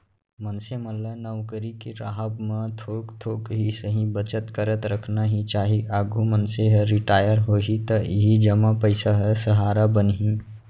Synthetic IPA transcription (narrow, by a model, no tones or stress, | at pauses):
mənseməllːanəwkəɾikeɾaɦəbmə̃t̪ʰoːkt̪ʰoːkɦisəɦĩbət͡ʃət̪kəɾət̪ɾəkʰnaɦĩt͡ʃaːɦiʔaɡumənseɦəɾɪʈaːjəɾɦoɦit̪əiɦid͡ʒəmapəɪsaɦəsəɦaːɾabənɦĩ